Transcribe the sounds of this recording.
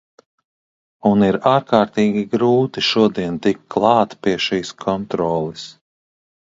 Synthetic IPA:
uniɾaːɾkaːɾt̪iːɡʲiɡɾuːt̪iʃuɔd̪iɛnt̪ikːlˠɑːt̪piɛʃiːskʰɔnt̪ɾɔːlˠis

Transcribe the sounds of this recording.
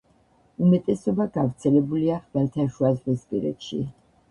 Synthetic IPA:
umɛt̪ʼɛsɔbaɡavɾt̪sʰɛlɛbuliaχvɛlt̪ʰaʃuazʁispʼḭɾɛ̰t̪ʃḭ

